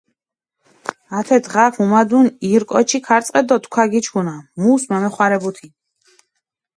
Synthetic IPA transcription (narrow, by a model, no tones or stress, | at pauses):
at̪ʰɛd̪ʁafʰumad̪uniɾkʼɔt͡ʃʰikʰaɾt̪sʼqʼɛd̪ɔt̪ʰʼkʷʰaɡit͡ʃʰkʰunamuːsmamɛχwaɾɛbut̪ʰi